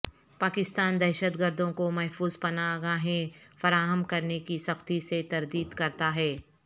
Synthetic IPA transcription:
paːkɪst̪aːnd̪ɛːʃət̪ɡəɾd̪ʱõkomɛɦfuːzpɐnaɡaɦẽfɐɾaːɦəmkɐɾnekisɐxt̪iset̪ɐɾd̪iːd̪kɐɾt̪aɦɛː

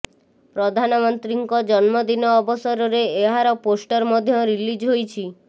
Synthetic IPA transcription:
pɾɔd̪ʱanɔmɔnt̪ɾiŋkɔd͡ʒɔnmɔd̪inɔːbɔsɔɾɔɾeeɦaɾɔposʈɔɾmɔd̪ʱjɔɾilid͡ʒɦojt͡ʃʰi

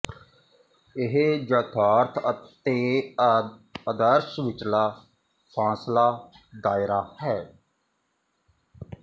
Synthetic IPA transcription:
ɪɦed͡ʒət̪ʰaːɾt̪ʰət̪eː | əd̪əɾʃʋɪt͡ʃlaː | pʰãːslaː | d̪aːɪɾaːhɛː

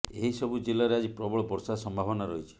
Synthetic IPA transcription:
eɦisɔbud͡ʒelaɾead͡ʒipɾɔbɔɭɔbɔɾsasɔmbʱabɔnaɾɔɦit͡ʃʰi̥

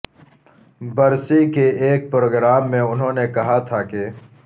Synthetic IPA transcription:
bɐɾsikeeːk̚pɾoːɡɾaːmːẽʊnɦõːnekɐɦat̪ʰake

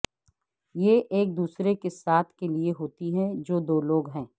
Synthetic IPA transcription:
jeʔeːk̚d̪uːsɾekesaːt̪ʰkelieɦoːt̪iɦɛ̃d͡ʒoːd̪oːloːɡɦɛ̃ː

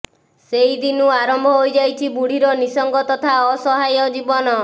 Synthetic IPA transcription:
seid̪inuaɾɔmbʱɔɦojd͡ʒajt͡ʃʰibuɽ̤iɾɔnisɔŋɡɔt̪ɔt̪ʰaɔsɔɦajɔd͡ʒibɔnɔ

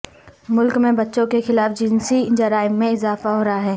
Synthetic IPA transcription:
mʊlkmẽbɐtːʃõkexɪlaːfd͡ʒɪnsid͡ʒɐɾaːɪmːẽɪzaːfaɦoːɾaɦaɦɛː

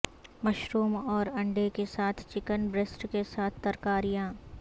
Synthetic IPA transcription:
mɐʃɾuːmɔːɾɐ̃ɳɖekesaːt̪ʰt͡ʃɪkənbɾɪsʈkesaːt̪̚ʰt̪ɐɾkaːɾijãː

